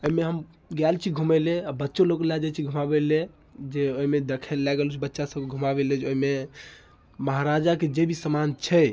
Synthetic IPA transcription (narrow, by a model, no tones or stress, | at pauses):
oimeɦəm | ɡjalt͡ʃʰiɡʱumeleabətːʃoloklad͡ʒat͡ʃʰiɡʱumabele | d͡ʒeoimed̪ekʰɛllaɡelut͡ʃʰibətːʃasəb̚keɡʱumabeled͡ʒeoime | məɦaɾad͡ʒaked͡ʒebʱisəmant͡ʃʰɛ